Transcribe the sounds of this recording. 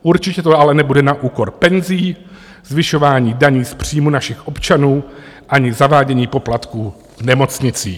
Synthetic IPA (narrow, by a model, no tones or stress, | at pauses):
ʔuɾt͡ʃɪcɛt̪oalɛnɛbudɛnaʔuːko̞ɾpɛnziː | zvɪʃo̞vaːɲiːdaɲiːspr̝̥iːmunaʃɪxʔo̞pt͡ʃanuːʔaɲɪzavaːɟɛɲiːpo̞plat̪kuː | vnɛmo̞t͡sɲɪt͡sḭː